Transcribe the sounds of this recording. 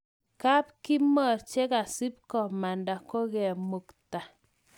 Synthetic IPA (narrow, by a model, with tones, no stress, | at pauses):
ka˦p̚ki˦mɔ˨ɾt͡ʃe˦ka˨si˦p̚kɔ˨ma˨nda˨ko˦ɣɛ˨mu˨kta˨